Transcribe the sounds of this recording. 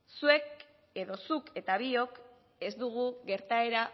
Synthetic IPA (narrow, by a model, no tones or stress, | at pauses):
sue̞k | e̞ðo̞suke̞t̪aβio̞k | e̞zd̪uɣuɣe̞ɾt̪ae̞ɾa